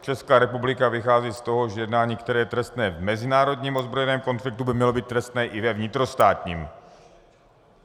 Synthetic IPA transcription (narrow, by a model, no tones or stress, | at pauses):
t͡ʃɛskaːɾɛpublɪkavɪxaːziːst̪o̞ɦo̞ʒɛjɛdnaːɲiːkt̪ɛɾɛːjɛt̪ɾɛst̪nɛːvmɛzɪnaːɾo̞dɲiːmʔo̞zbɾo̞jɛnɛːmko̞nflɪk̚t̪ubɪmɲɛlo̞biːt̪ːɾɛst̪nɛːʔɪvɛvɲɪt̪ɾo̞st̪aːt̪ɲiːm